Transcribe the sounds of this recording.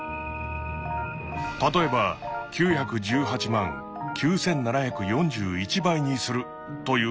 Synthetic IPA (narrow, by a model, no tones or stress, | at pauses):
t̪at̪o̞e̞bakʲɨːçakɯ̟d͡ʑɨːɦat͡ɕimãŋ | kʲʰɨːsẽ̞nːanaçakɯ̟jõ̞ɲd͡ʑɨːit͡ɕibaiɲ̟isɨɾɯ̟ | t̪o̞jɯː